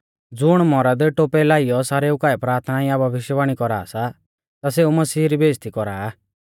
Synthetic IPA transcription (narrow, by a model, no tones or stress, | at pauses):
d͡zʊɽ̃mɔɾad̪eʈoːpɛlaːijɔsaːɾeʊkaːɛpɾaːɾt̪ʰnajabʱɐʋɪʃjəʋaːɽ̃ikɔɾa̰ːsa | t̪as̬eumɐsiːɾibeːst̪ikɔɾaː